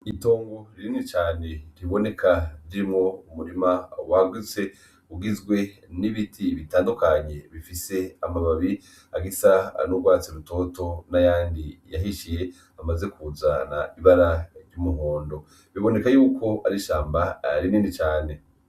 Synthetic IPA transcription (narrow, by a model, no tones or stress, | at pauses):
ito̞ːŋɡoɾininit͡ʃaːne̞ɾiβo̞ne̞kʰaɾiɾimŋo̞umuɾimawaɡwit͡se̞ | uɡizɡwe̞niβitʰiβitaːndukaɲe̞βifise̞amaβaβi | aɡisanuɡɡwaːt͡siɾuto̞ːto̞najaːndijaɦiʃije̞ | amaze̞kuzana̰iβaɾaɾɟumuɦoːndo̞ | βiβo̞ne̞kajuːko̞a̰ɾiʃaːmbaɾiniːnit͡ʃaːne̞